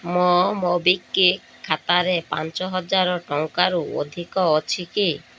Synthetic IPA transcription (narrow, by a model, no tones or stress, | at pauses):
mɔmɔbikːiː | at̪aɾepa̰nt͡ʃɔɦɔd͡ʒaɾɔʈɔŋkaɾuo̰d̪ʱikɔːt͡ʃʰiki